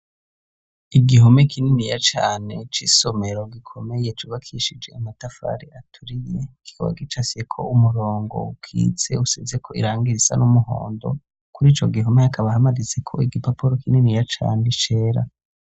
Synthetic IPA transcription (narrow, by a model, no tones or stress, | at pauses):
iɡiɦomekʰininijat͡ʃa̰ːne̞t͡ʃiːso̞me̞ɾoɡikʰo̞me̞jet͡ʃuβakʰiʃid͡ʒe̞amatafa̰ɾiatʰuɾijeɡ̥ikʰoβa̰ɡit͡ʃasekʰo̞̰umuɾo̞ːŋɡo̞̰ukʰḭːt͡se̞usezekʰo̞ḭɾaːŋɡiɾisa̰numuho̰ːndo̞̰ | kuɾiːt͡ʃo̞ɡiɦomeakʰaβahamaɾizekʰo̞̰iɡipapoɾokininijat͡ʃa̰ːnet͡ʃe̞ːɾa̰